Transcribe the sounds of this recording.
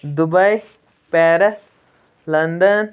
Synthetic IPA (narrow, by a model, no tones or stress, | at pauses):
d̪ubɐj | pɛːɾɐs | lɐnd̪ən